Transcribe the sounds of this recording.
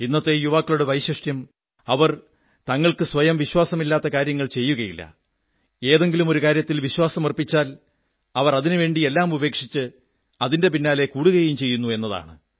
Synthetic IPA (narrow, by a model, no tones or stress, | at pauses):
inːɐt̪ːe̞juʋaːkːɐɭuɽeʋɐjɕɐʂʈjɐm | ɐʋɐr | t̪ɐŋːɐɭkɨsʋɐjɐmʋiɕwaːsɐmilːaːt̪ːɐkaːɾjɐŋːɐɭt͡ɕe̞jːuɣɐjilːɐ̰ | e̞ːðe̞ŋɡilumo̞ɾukaːɾjɐt̪ːilʋiɕwaːsɐmɐrpit͡ɕːaːl | ɐʋɐrɐðinɨʋe̞ːɳɖie̞lːaːmube̞ːkʂit͡ɕːɨ | ɐðinde̞p̬inːaːle̞kuːɽuɣɐjimt͡ɕe̞jːunːue̞nːɐða̰ːɳɨ